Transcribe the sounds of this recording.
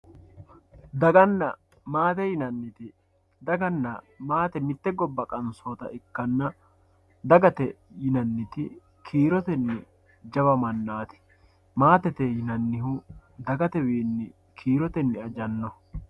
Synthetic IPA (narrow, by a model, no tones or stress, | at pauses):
d̪ɐɡɐnːɐ | maːt̪ɛjɪnɐnːɪt̪ɪ | d̪ɐɡɐnːɐ | maːt̪ɛmɪt̪ːɛɡɔbːɐkʼɐnsoːt̪ɐ̰ʔɪkːɐnːɐ | d̪ɐɡɐt̪ɛjɪnɐnːɪt̪ɪ | kʰiːɾɔt̪ɛnːɪ | d͡ʒɐβɐmɐnːaːt̪ɪ̥ | maːt̪ɛt̪ɛjɪnɐnːɪɦud̪ɐɡɐt̪ɛwiːnːɪ | kʰiːɾɔt̪ɛnːɪɐd͡ʒɐnːɔ